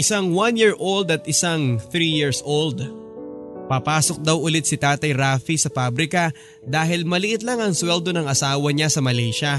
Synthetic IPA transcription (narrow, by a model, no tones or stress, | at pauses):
ʔɪsaŋwanjiɹʔold̪ɐt̪̚ɪsaŋθɾijiɹsold̪ | pɐpaːso̞k̚d̪ɐwʔʊlɪt̪̚sɪt̪aːt̪ɐjɾaːfisɐpabɾɪkɐ | d̪aːɦɪlmɐlɪʔɪt̪̬laŋɐŋswɛld̪o̞nɐŋʔɐsaːwɐɲasɐmɐlɛjʃɐ